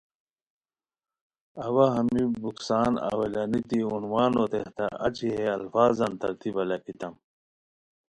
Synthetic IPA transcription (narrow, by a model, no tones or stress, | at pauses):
ɐwɐɦɐmibuksaːnɐ̰wɐlɐnit̪iunwaːnot̪eht̪aʔɐt͡ɕiɦeɐlfaːzɐnt̪ɐɾt̪ʰibɐlɐkit̪ɐm